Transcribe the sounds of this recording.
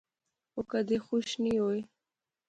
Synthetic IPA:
okad̪exʊʃnioj

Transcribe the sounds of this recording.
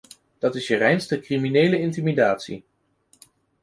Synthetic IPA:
d̥ɑtɪsjərɛjnstəkriminejləɪntimidaːtsḭ

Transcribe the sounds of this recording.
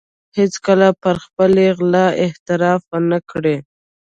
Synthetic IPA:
hɪt͡skəlapəɾxpəleɣlɑɪht̪ɪɾɑfənəkɽe

